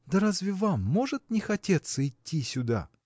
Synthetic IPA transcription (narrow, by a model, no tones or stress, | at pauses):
d̪ɐɾazʲvʲɪvamːo̞ʐɨt̪nʲɪxɐtʲe̞t̪səɪtʲːisʲʊd̪a̰